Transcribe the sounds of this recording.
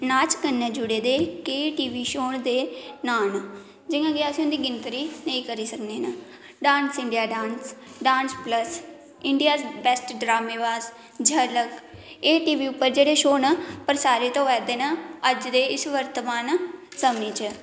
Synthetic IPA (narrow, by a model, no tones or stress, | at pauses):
naːt͡ʃkənːẽːd͡ʒʊɽeːd̪eːkeːʈiːʋiːʃoːɳd̪eːnaːn | d͡ʒɪjãːɡeəsĩːʊnd̪iːɡɪnt̪ɾiːnəĩːkəɾiːsəkneːnə | ɖaːnsɪɳɖijaːɖaːnsɖaːnspləs | ɪɳɖijaːsbɛsʈɖɾaːmeːʋaːs | d͡ʒʱələkeːʈiːʋiːʊpːəɾd͡ʒeːɽeːʃoːnəpəɾsaːɾeːt̪õːʋɛːd̪eːnəəd͡ʒd̪eːɪsʋəɾt̪əmaːnsəmneːt͡ʃə